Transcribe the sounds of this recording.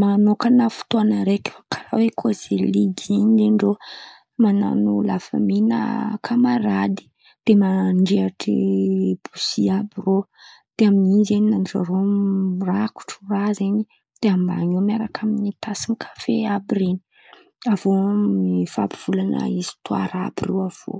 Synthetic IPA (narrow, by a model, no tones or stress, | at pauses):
manokanafu̥t̪oanəɾekʲfḁkʰaɾa̰wekʰoz̥eliɡiɲd̪eɳɖ͡ʐo | mana̰nulafa̰minə̰kʰamaɾad̪i̥ | d̪̥emaɳɖ͡ʐeaʈ͡ʂḭb̥usiabiro | d̪̥eaminizeɲinanʈ͡ʂa̰ɾoraku̥ʈ͡ʂurazeɲi | d̪̥eamba̰ɲemiaɾakʰaminit̪asimikʰḁfeabiɾeni̥ | avomifabiv̥ulana̰izi̥t̪ua̰ɾa̰birewav̥o̰